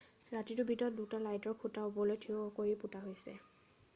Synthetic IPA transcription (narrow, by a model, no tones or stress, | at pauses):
ɹatitʊbʱitɔt̚dutalajtɔɹkʰutaobɔlojtʰiʊɔkojiputaɦojsɛ̰